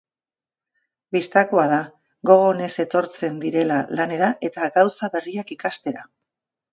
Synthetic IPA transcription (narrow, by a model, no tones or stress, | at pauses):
bist̪ako̞að̞a | ɡo̞ɣ̞o̞ne̞se̞t̪o̞ɾt͡se̞nd̪iɾe̞lalane̞ɾaʔe̞t̪aɡawsaβe̞riakikast̪e̞ɾa